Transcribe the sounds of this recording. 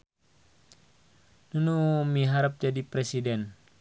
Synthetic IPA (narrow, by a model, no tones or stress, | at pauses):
nunumiɦaɾap̚d͡ʒadipɾesidɛn